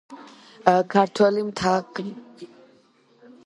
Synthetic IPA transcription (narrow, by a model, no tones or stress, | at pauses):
kʰaɾt̪ʰwɛlimt̪ʰaqʼi